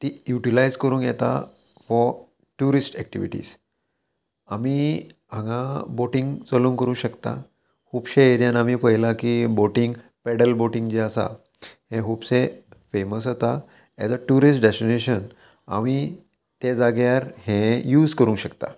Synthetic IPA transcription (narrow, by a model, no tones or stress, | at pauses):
t̪ijuʈilajd͡zkəɾũːnjɛt̪a̰ | fɔ | ʈuɾisʈɛk̚ʈḭʋḭʈḭːs | ami | ãɡãboʈĩŋɡt͡səlũːŋkəɾũːɕəkt̪a̰ | hupɕeeɾijanamiːpəjlakiboʈiŋɡ | pɛɽəlboʈĩŋɡd͡ʑiəsa̰ | hẽɦupsẽfeməsɦot̪a | ɛ̰d͡zəʈuɾisʈɖesʈineɕən | a̰mi | t̪ed͡zaɡjaɾhẽjuːd͡zkəɾũːŋɕəkt̪a̰